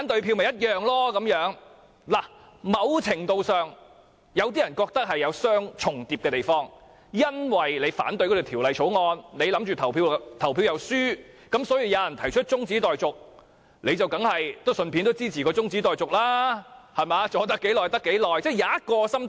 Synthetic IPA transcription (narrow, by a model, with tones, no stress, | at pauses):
aː˨˥nt̪ɵ˧ɥpʰi˧wmɐ˨jɐ˥t̚jœː˨ŋlɔː˥kɐ˨˥mjœː˨˥ŋ | laː˨˩ | mɐ˨˧wt͡sʰɪ˨˩ŋt̪o˧wsœː˨˩ŋ | jɐ˨˧wt̪iː˥jɐ˨˩nkɔː˧k̚t̪ɐ˥k̚hɐ˨jːɐ˨˧wsœː˥ŋt͡sʰʊ˨˩ŋt̪iː˨p̚kɛː˧t̪e˨jfɔː˥ŋ | jɐ˥nwɐ˨jle˨˧jfa̰ː˨˥nt̪ɵ˧kɔ˧˥t̪o˨˩t̪ʰiː˨˩wlɐ˨˧jʰo˨˥wŋɔː˧nle˨˧jlɐ˨˥mt͡ʃyː˨t̪ʰɐ˨˩wpʰiː˧wt̪ʰɐ˨˩wpʰiː˧wjɐ˨˧wsyː˥ | kɐ˨˥msɔː˨˥jiː˧wjaː˨˧jɐ˨˩nt̪ʰɐ˨˩jt͡ʃʰɵ˥t̚t͡ʃʊ˥ŋt͡siː˨˥t̪ɔː˨jt͡sʊ˨k̚ | le˨˧jt͡sɐ˨wkɐ˨˥ŋhɐ˨jt̪o˥sɵ˧npʰi˧˥nt̪o˥wt͡siː˥t͡sʰiː˨˩kɔː˧t͡sʊ˥ŋt͡siː˨˥t̪ɔː˨jt͡sʊ˨k̚laː˥hɐ˨jmaː˨˧t͡sɔː˨˧t̪̬ɐ˥kːe˨˥jlɔː˨jt̪ɐ˥kːe˨˥jlɔː˨˩jt͡sɛː˥˩jaː˨˥t̚kɔː˧sɐ˥m